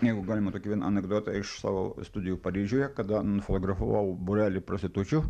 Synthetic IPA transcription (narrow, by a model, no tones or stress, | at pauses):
jɛɪɡʊɡɑːlʲɪmɐt̪oːkʲiːʋʲiɛnɐnʲɛɡd̪oːt̪ɑɪʃsɑ̰ːʋo̰ːst̪ʊd̪ʲɪjupɐɾʲiːʒʲuːjɛkɐd̪ɐnʊfot̪oːɡɾɐfuːʋɐʊbʊɾʲæːlʲɪpɾɐsʲɪt̪ʊt͡ʃʲu